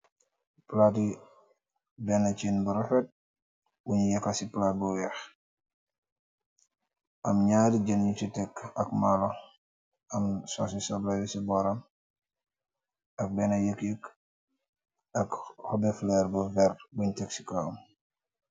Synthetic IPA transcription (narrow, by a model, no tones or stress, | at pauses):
plati | bɛnat͡ʃinbuɾɔfɛt̚ | wuɲjɐkasiplat̚buwɛx | ʔɐmɲaːdiɟənɲut͡ʃitɛkːɐkmalɔ | ɐmsɔsisɔblajisibɔɾɐm | ɐk̚bɛnajəkjək | ɐkhɔbɛflɛɾbufɛrbuɲtɛksi̥kaɐ̰m